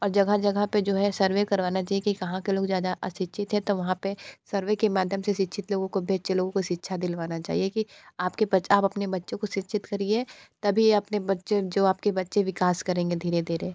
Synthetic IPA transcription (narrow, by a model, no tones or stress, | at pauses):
ɔːɾd͡ʒɐɡad͡ʒɐɡəped͡ʒoːɦɛsɐɾʋekɐɾʋaːnat͡ʃaːɦijekikɐɦãkeloːɡzjaːd̪aʔɐʃɪtːʃʰɪt̪ɦɛ̃t̪oʋɐɦãpesɐɾʋekemaːd̪ʱjəmseʃɪtːʃʰɪt̪loːɡõkobʱeːt͡ʃeloːɡõkoʃɪtːʃʰad̪ɪlʋaːnat͡ʃa̰ːɦiekiaːpkebɐaːpɐpnebɐtːʃõkoʃɪtːʃʰɪt̪kɐɾiet̪ɐbʱiɐpnebɐtːʃed͡ʒoːaːp̚kebɐtːʃeʋɪkaːskɐɾẽːŋɡed̪ʱiːɾed̪ʱiːɾe